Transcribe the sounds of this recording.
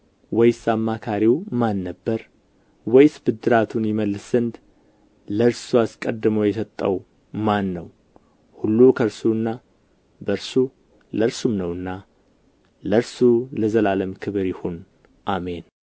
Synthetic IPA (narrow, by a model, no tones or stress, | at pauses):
wɔjsamːakʰaɾiwmanːəbːəɾ | wɔjsbɨd̪ːɨɾat̪ʰunjɪməlːɨsɨnd̪ | ləɾsuaskʼəd̪ːɨməwjɛsət̪ʼːəw | manːə̰w | hulːukʰəɾsuɨnːa | bəɾsu | ləɾsumnəwɨnːa | ləɾsuləzəlaləmkʰɨβɾjɪhon | ʔame̞n